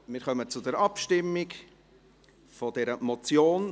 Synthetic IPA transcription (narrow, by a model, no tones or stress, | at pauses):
mɪɾχœmət͡sʊdɛɾɑpʃtɪmːik | fɔd̥ɛɾəmɔt͡sjoːn